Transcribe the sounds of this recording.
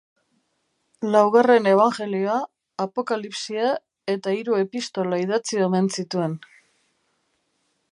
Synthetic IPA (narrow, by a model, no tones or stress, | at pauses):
lawɣare̞ne̞β̞aŋʝe̞lioaː | po̞kalipsia | e̞t̪aiɾue̞pist̪o̞laiðat͡siome̞nt͡sit̪ue̞n